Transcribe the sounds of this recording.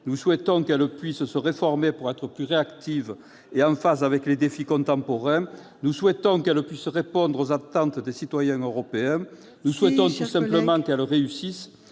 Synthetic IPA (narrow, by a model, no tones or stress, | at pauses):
nuswɛt̪ɔ̃kɛlpɥissəʁefɔʁmepuʁɛt̪χəplyʁeakt̪iv | eɑ̃fasavɛkled̪efikɔ̃nt̪ɑ̃pɔʁɛ̃ | nuswɛt̪ɔ̃kɛləpɥisəʁepɔ̃nd̪ʁozat̪ɑ̃nt̪əd̪esit̪wajɛ̃øʁɔpeɛ̃ | nuswɛt̪ɔ̃t̪usɛ̃mpləmɑ̃kɛlʁeysis